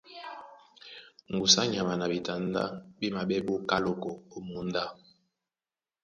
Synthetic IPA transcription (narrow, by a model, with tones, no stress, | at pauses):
ŋ˨ɡu˨sa˦ɲa˨ma˨na˨bi˨ta˨nda̰˦bi˦ma˨bɛ˦bo˦ka˦lo˨ko˨o˨mu˨˦n˦da˦